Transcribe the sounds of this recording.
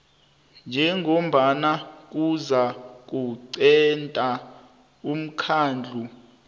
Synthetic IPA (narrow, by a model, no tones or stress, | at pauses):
nd͡ʒʱɛŋʱom̩ɓanak̬uzak̬ʼuǀɛntʼa | um̩kʰaːnd͡ɮʱu